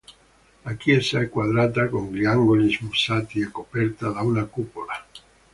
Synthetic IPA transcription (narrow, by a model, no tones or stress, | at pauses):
lakjɛzaɛkːwad̪ɾat̪akoŋɡliaŋɡolizmusaːt̪iɛkːopɛrt̪ad̪aunakupola